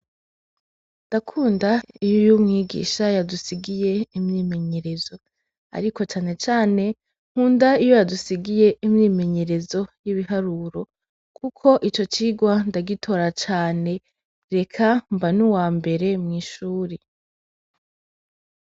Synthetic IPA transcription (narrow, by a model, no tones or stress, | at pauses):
ndakʰuːndaijojumŋiːɡḭːʃajadusiɡije̞imɲiːme̞ɲe̞ɾe̞zo̞ | a̰ɾiko̞t͡ʃaːne̞t͡ʃaːne̞ | ŋ̥huːndaijojadusiɡije̞imɲiːme̞ɲe̞ɾe̞zo̞jiβiɦaɾuːɾo̞ | kʰukʰo̞ʔit͡ʃo̞t͡ʃiːɡwandaɡitʰo̞ːɾat͡ʃaːne̞ | ɾe̞kʰambanuwaːmbe̞ɾe̞mŋiːʃuːɾe